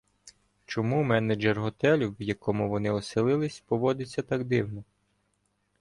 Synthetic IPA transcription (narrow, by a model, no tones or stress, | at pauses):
t͡ʃɔmumɛnɐd͡ʒerɦɔt̪ɛlʲiwjɐkʰɔmʊʋɔnɪɔsɪlˠɪlˠɪsʲpɔʋɔd̪ɪt͡sʲːɐt̪ɑɡd̪ɪwnɔ